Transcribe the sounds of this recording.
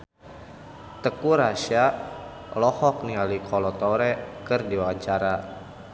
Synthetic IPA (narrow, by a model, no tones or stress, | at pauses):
t̪əkuɾaʃa | lɔhɔk̚nialikʰɔlɔt̪ɔɾɛkərdiwaaɲt͡ʃaɾa